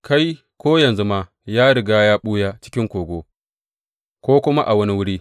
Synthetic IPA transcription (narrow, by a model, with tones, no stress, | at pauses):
ka˦j | kʷoː˦jɐ˨nzu˦ma˦ | jaː˦ɽɪ˨ɡaː˦jaː˦ɓuː˦jaː˦t͡ʃɪ̥˦kʲɪ˦ŋkʷoː˨ɡʷoː˦ | kʷoː˦kʷʊ˦ma˦ʔa˨wɐ˦ni˦wʊ˦ɽiː˦